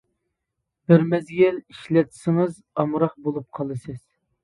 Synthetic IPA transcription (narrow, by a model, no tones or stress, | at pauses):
bɪɾmɛzɡʲɛliʃlɛt̪ʰsɨŋɨz | ɑmɾɑq̚bolˠup̚qʰɑlˠɨsɨz̥